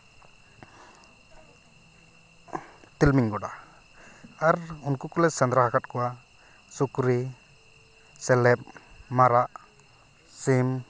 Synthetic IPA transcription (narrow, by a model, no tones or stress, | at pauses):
t̪ilmiŋɡɔɽa | aɾunkukɔlɛsɛnd̪ɾahakat̪̚kɔwa | sukɾi | sɛlɛp̚maɾaʔ | sim